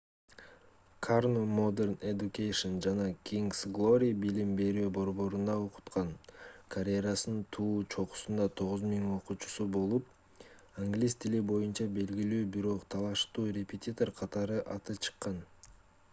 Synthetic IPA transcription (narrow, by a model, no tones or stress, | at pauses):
kʰarnomod̪erned̪ukʲejʂond͡ʒɑnɑkʲiŋɡsɡlˠo̞ɾʲijbilimbe̞ɾyːbo̞ɾbo̞ɾund̪ɑoqu̥t̪qɑnkʰɐɾʲejɾasɯnt̪ʰuːt͡ʃʰo̞qu̥sund̪ɑt̪ʰo̞ʁuzmiŋo̞qut͡ʃu̥subo̞lˠup | aŋɡlʲist̪ʰilibo̞junt͡ʃɑbe̞lɡilyːbiɾo̞qt̪ʰɑlˠɑʃt̪uːɾʲepʲet̪ʲit̪o̞rqʰɑt̪ɑɾɯʔɑt̪ɯt͡ʃʰɨ̥qːɑn